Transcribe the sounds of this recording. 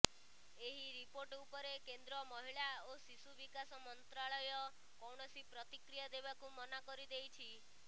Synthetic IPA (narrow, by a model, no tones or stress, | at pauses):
eɦiɾipoɾʈupɔɾekend̪ɾɔmɔɦiɭaosisubikasɔmɔnt̪ɾaɭɔjɔ | kɔwɳ̃ɔsipɾɔt̪ikɾijad̪eβakumɔnakɔɾid̪ejt͡ʃʰi